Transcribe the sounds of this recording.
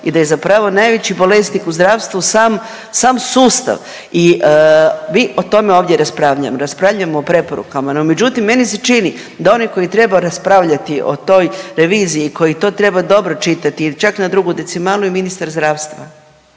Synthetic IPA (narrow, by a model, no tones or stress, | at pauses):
id̪aje̞zapɾaʋo̞najʋet͡ɕibo̞le̞snikuzd̪ɾaːʋst̪ʋusaːm | saːmsuːst̪a̰ʋ | i | miːʔo̞t̪o̞meo̞ːʋd̪ʲje̞ɾaspɾaːʋʎa̰moɾaspɾaʋʎamoːpɾe̞poɾṵkamanome̞d͡ʑut̪imːe̞niset͡ʃini | d̪ao̞niko̞jit̪ɾe̞baɾaspɾaːʋʎat̪iʔo̞̰t̪o̞jɾe̞ʋiːzijiko̞jit̪o̞ːt̪ɾe̞bad̪o̞bɾo̞t͡ʃit̪at̪it͡ʃaknad̪ɾuɡud̪esimalujeminist̪aɾzd̪ɾaːʋst̪ʋa